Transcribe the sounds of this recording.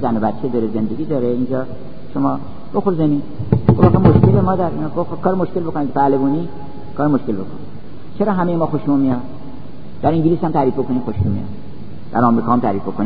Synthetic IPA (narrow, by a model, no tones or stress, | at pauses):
zænobæt̪t͡ʃʰːʃʰed̪ɒːɾezend̪eɡʲiːd̪ɒɾeind͡ʒɒː | ʃomɒː | b̥oxoɾzeni | ɡ̥ovæxemoʃkelemɒːd̪æɾinːɡofxokʰɒːɾemoʃkelbokonid̪pʰælebuːniː | kʰɒːɾemoʃkelbokʰoni | t͡ʃʰeɾɒːɦæmejemɒːxoʃumij̪ | d̪æɾĩŋɟilishæmt̪ʰæɾiːfbokʰonixoʃmumḭjɑ̰ | d̪æ̰ɾɒmɾiːkʰɒːhmt̪ʰæɾiːfbokʰoni